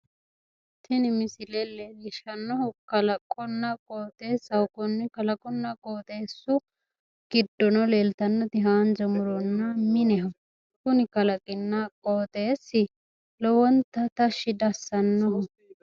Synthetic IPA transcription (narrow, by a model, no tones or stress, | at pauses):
t̪ʰɪnɪmɪsɪlɛlːɛɪʃɐnːɔhʊkɐlɐkʼːɔnːɐkʼoːt̪eːsɐwʊkɔnːɪkɐlɐkʼɔnːɐkʼoːt̪e̞ːsːʊ | ɡ̥ɪd̪ːɔnɔleːlt̪ɐnːɔd̪ɪɦaːnd͡ʒɐmʊɾɔnːɐmɪnɛɦɐ | kʊnɪkɐlɐkʼɪnːakʼoːt̪e̞ːsːɪ | lɔwɔnt̪ɐt̪ɐʃɪd̪ɐsːɐnːɔhʊ